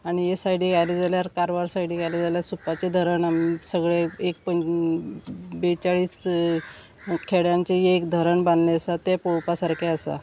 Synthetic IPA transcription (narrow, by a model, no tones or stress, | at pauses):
aɽ̃ijesaiɽiɡʱajled͡zaljaɾkaɾʋaɾsaiɽiɡʱajled͡zaljasupat͡ɕed̪ʱəɾəɳamisəɡɭeek̚pə | bet͡saɭiːs | kʰeɽjãɲt͡ɕejeːkd̪ʱəɾəɳbãnd̪leəsat̪epowpasaɾkʰeəsa̰